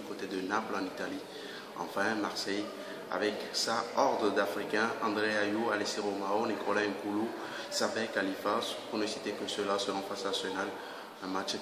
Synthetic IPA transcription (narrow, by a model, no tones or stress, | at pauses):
ykot̪ed̪ənaplɑ̃nit̪ali | ɑ̰̃fɛ̃maʁsɛj | a̰vɛksaɔʁd̪ʁəd̪afχikɛ̃ɑ̃d̪ʁeajualesiʁomaonikʰɔlãɛ̃kulu | sabɛkalifaspuʁnəsit̪ekəsəlasəlɔ̃fasnasɔnal | ɛ̃mat͡ʃ